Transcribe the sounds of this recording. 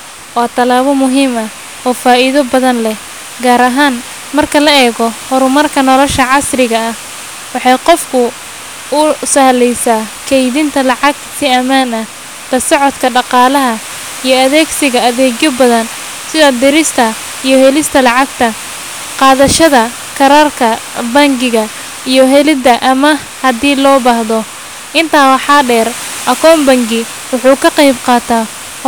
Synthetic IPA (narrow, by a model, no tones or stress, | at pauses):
waːt̪ʰɐlaːβɔmʊɦiːmɐ | ɔːfaːʔɪðɐbɐðɐnlɛ | ɡaːɾɐɦaːn | mɐrkʰɐlɐɛːɣɔhʊɾʊmɐrkʰɐnɔlɔʃɐʕɑsrɪɣɐɐh | wɑħɑjqɔfkʰʊ | ʊsɐhlɛjsaːkʰɛjðɪnt̪ʰɐlɑʕɑɡsɪɐmaːnɐ | t̪ɐsɔʕɔt̪kʰɐɖɑqɑːlɐɦɐ | ijɞɐðɛːɡsɪɣɐɐðɛːɡjɔbɐðɐn | sɪðɐd̪ɪɾɪst̪ʰɐ | ijɞhɛlɪst̪ʰɐlɑʕɑɡt̪ʰɐ | qɑːðɐʃɐðɐ | kʰɐɾaːrkʰɐbɐŋɡɪɣɐ | ijɞɦɛlɪd̪ɐʔɐmɐ | hɐd̪iːlɔːbaːhðɔ | ʔɪnt̪ʰaːwɑħɑːɖɛːr | ʔɐkʰɔːmbɐŋɡɪ | wʊħuːkʰɐqejbqɑːt̪ʰaː